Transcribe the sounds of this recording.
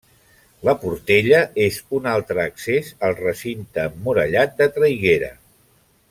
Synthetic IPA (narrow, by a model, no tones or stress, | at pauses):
ləpuɾt̪eʎəezunalˠt̪ɾəːksezəlˠrəsint̪əmmːuɾəʎat̪̚d̪ət̪ɾəjɣeɾə̰